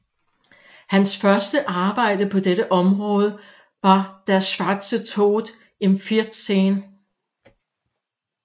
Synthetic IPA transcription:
hænsfɶɐsd̥əʔɑ̈ːb̥ɑ̈ɪ̰d̥əpʰɒ̽d̥eɾəʔɒ̽mʁɔ̽ːð̞ˠə | ʋɑ̈d̥æɐsʋɑ̈d̥sət͡sʰo̰ːdˠ | enfiɐd̥seːn

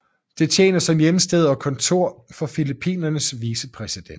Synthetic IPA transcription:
d̥e̝t͡ɕʰjḛːnɐsɒ̽mjemsd̥eð̞̰ˠɒ̽kʰɒ̽nt͡sʰo̝ɐ̰fɒ̽filipʰḭːnɐnəsʋiːsəpʰʁɛsid̥en

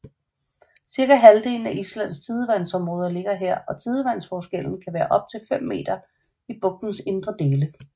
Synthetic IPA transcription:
siɐɡ̥æɦæld̥e̝ːln̩æʔislæn̰st͡sʰið̞ˠəʋæn̰sɒ̽mʁɔ̽ːð̞ˠɐle̝ɡ̥ɐɦeɐ̰ɒ̽t͡sʰið̞ˠəʋæn̰sfɒːsɡ̥el̰n̩kʰæʋæːɐʔɒ̽b̥̚t͡sʰe̝lfem̰ːe̝̰ːd̥ɐ | ib̥ɔ̽ɡ̥̚d̥n̩se̝nd̥ʁɐd̥e̝ːlə

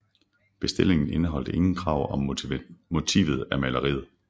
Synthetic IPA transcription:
b̥e̝sd̥e̝l̰e̝ŋn̩e̝nəɦɒ̽l̰d̥əʔe̝ŋn̩kʰʁɑ̈ʊ̰ɒ̽mmo̝t͡sʰḭːʋð̩ˠæɐmælɐʁḭːð̩ˠ

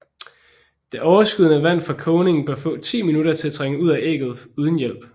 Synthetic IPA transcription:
d̥e̝ʔɒʊɐsɡ̥uð̞ˠnəʋæn̰fɑ̈kʰɔʊne̝ŋn̩b̥ɶɐfɔ̰̽ːt͡sʰḭːminuɾɐt͡sʰe̝læt͡sʰʁeŋəuð̞̰ˠæʔḛːɡ̥ð̞̩ˠuð̞ˠən̩jel̰b̥

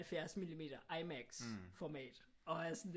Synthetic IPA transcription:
lfjæɐsmilime̝̰ːd̥ɐʔɑɪmæɡ̥sfɒmɛ̰ːd̥ | ɒ̽æɐsn

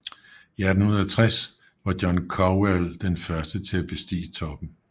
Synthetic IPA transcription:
iædn̩hunɐðˠɐt͡sʰʁas | ʋɑ̈d̥jɒnkʰɒweld̥enfɶɐsd̥ət͡sʰe̝læb̥e̝sd̥ḭːt͡sʰɒ̽b̥n̩

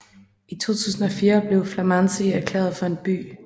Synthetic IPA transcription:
it͡sʰo̝̰ːt͡sʰṵːsn̩ɒ̽fiːɐb̥le̝ʊflæmɑnsiæɐkʰlḛːɐð̩ˠfɒ̽e̝nb̥y̰ː

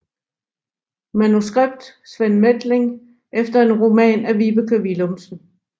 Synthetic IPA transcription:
mænusɡ̥ʁab̥̚d̥sʋenmed̥le̝ŋ | ʔefd̥ɐe̝nʁo̝mɛ̰ːnæʋib̥əkʰəʋilomsn̩

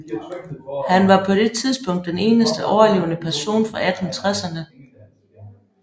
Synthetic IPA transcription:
hænʋɑ̈pʰɒ̽d̥e̝t͡sʰið̞ˠsb̥ʰɔ̽ŋ̰d̥ːene̝ːnəsd̥əʔɒʊɐle̝ːʊnəpʰæɐso̝̰ːnfɒʔæd̥hnt͡sʰʁasɐnə

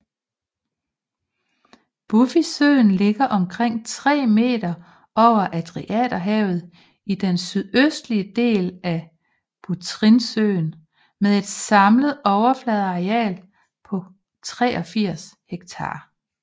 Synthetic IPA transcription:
b̥ufisø̰ːn̩le̝ɡ̥ɐʔɒ̽mkʰʁeŋ̰t͡sʰʁɛ̰ːme̝̰ːd̥ɐ | ɒʊ̰ɐʔæd̥ʁiʔɛ̰d̥ɐɦɛːʊð̞̩ˠ | id̥ensyðˠøsd̥liəd̥e̝̰ːlæ | b̥ut͡sʰʁinsø̰ːn | meðˠe̝d̥sɑ̈mləð̩ˠɒʊɐflɛðˠɑɛ̰ːl | pʰɒ̽ | t͡sʰʁɛ̰ːʔɒ̽fiɐ̰sheɡ̥t͡sʰɑ̰̈ː

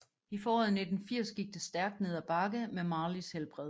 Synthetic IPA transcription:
ifɒːɒðˠne̝d̥n̩fiɐ̰sɡ̥iɡ̥̚d̥esd̥æɐɡ̥̚d̥ne̝ð̰ˠæb̥ɑ̈ɡ̥əmemɑ̈ːlishelb̥ʁɛð̰ˠ

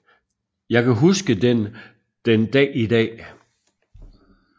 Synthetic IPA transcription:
jɑ̈ɪkʰæɦusɡ̥əd̥en | d̥end̥ɛ̰ːid̥ɛ̰ː

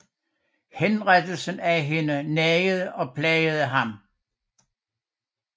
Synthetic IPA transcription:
henʁad̥l̩sən̩æɦe̝nənɛəð̞̩ˠəʔɒ̽pʰlɛɪəð̞̩ˠəɦɑ̈m

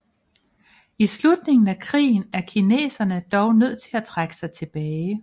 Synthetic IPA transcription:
islud̥ne̝ŋn̩ækʰʁḭːn̩æɐkʰine̝̰ːsɐnəd̥ɒʊnøð̰ˠt͡sʰe̝læt͡sʰʁaɡ̥ə̥sɑ̈ɪt͡sʰe̝b̥ɛːɪ

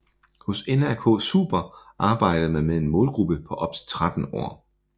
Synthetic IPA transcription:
hosenæɐkʰɔ̰̽ːsṵːb̥ɐʔɑ̈ːb̥ɑ̈ɪ̰d̥ð̩ˠmænmee̝nmɔ̽ːlɡ̥ʁub̥əpʰɒ̽ʔɒ̽b̥̚t͡sʰe̥t͡sʰʁad̥n̩ɒ̰ɐ̰

